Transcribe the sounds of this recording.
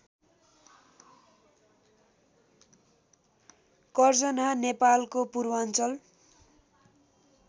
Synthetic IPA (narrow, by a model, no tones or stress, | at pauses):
kʌrd͡zʌnanepalkopurwant͡sʌl